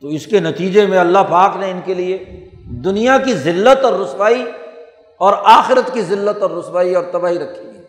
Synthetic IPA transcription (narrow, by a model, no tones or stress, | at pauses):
t̪oɪskenɐt̪iːd͡ʒemẽɐlːaɦpaːkneɪnkelie | d̪ʊnijakizɪlːət̪ɔːɾːʊswaːi | ɔːɾaːxɪɾət̪kizɪlːət̪ɔɾɾʊswaːiɔːɾt̪ɐbaːɦiɾɐkʰːiɛ